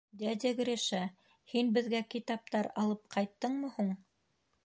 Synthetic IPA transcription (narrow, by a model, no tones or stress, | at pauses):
d̪æd̪ʲɘɡɵ̆ɾɘʃæ | hinbɘ̆ðɡækit̪ɑp̚t̪ɑɾɑlˠɤp̚qʰɑjt̪ːɤɴmɤ̆huɴ